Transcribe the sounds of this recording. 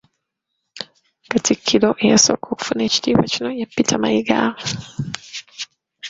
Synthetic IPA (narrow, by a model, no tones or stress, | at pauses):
katikʰilɔʔiasɔkʰuku̥funit͡ʃi̥dipat͡ʃinɔjapitʰamaiɡa̰